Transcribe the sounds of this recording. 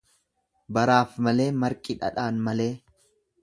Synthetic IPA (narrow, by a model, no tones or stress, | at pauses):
bɐɾaːfmɐle̞ːmɐɾkʼɪᶑɐ̰ᶑaːnmɐle̞ː